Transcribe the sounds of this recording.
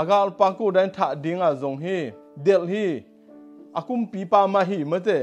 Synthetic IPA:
ʔəɡaʔlpaŋkudajnt̪ʰaʔdiŋazɔŋɦi | dɛlhi | ʔəkumpipaːmaʔɦimət͡sɛ

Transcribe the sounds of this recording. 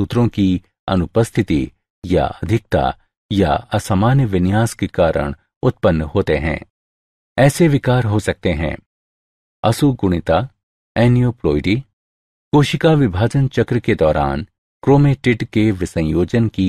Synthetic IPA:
sut̪ɾõki | ɐ̰nʊpəst̪ʰɪt̪ḭ | ja̰ɐd̪ʱɪk̚t̪a̰ | ja̰ɐsamaːnjəʋɪnjaːskekaːɾə̰ɽ̃ | ʊt̪̚pənːɦoːt̪eɦɛ̰̃ː | ɛːseʋɪkaːɾɦosɐk̚t̪eɦɛ̰̃ː | ɐsuɡʊɽ̃ɪt̪a | ɛːnijoːpɾoːɪɖi | koːʃɪkaʋɪbʱaːd͡ʒənt͡ʃɐkɾəked̪ɔːɾʔa̰ːn | kɾoːmeʈɪʈkeʋɪsɐ̃joːd͡ʒənki

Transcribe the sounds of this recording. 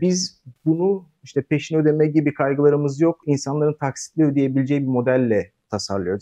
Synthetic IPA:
bizbunu | iʃt̪ʰɛpʰe̞ʃinød̪emɛɟibikʰajɡɯlˠaɾɯmɯzjo̞kinsanlˠaɾɯnt̪ʰaksi̥t̪lʲiød̪ijebilʲed͡ʒɛjibimo̞d̪ælʲːɛ | t̪ʰasa̰ɾlˠɯjo̞d̪u

